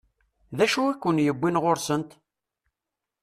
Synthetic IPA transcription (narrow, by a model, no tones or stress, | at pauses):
ðæʃuækʷːənjəbʷːinʁoɾsənt̪